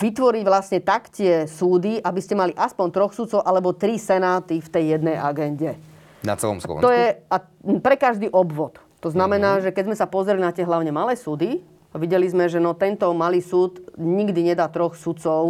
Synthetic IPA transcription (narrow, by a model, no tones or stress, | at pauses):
ʋit̪ʋɔɾiɟʋlasɲɛt̪akcɪɛsuːd̪iʔabiscɛmaliʔaspɔnt̪ɾɔxsut̪t͡sɔʊʔalɛbɔt̪ɾisɛnaːt̪ift̪ɛjːɛd̪nɛjʔaɡɛnɟɛ | na̰t͡sɛ̰lˠɔ̰mslɔ̰ɔjɛa | pɾɛkaʒd̪iːʔɔbʋɔt̪ːɔznamɛnaːʒɛkɛzmɛsapɔzɾɛlinat̪ɪɛɦlaʊɲɛmalɛːsuːd̪i | aʋiɟɛlizmɛʒɛnɔt̪ɛnt̪ɔmaliːsuːt̪ɲiɡd̪iɲɛd̪aːt̪ɾɔxsut̪t͡sɔʊ